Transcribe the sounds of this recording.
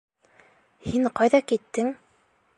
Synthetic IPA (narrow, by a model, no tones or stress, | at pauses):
hiɴqɑjðɑkit̪ːɘŋ